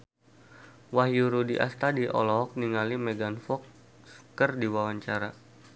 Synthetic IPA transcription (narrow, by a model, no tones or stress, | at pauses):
wahjuɾudiʔa̰st̪adiʔɔ̰lɔk̚niŋalimɛɡanfɔk̚ | skərdiwawaɲt͡ʃaɾa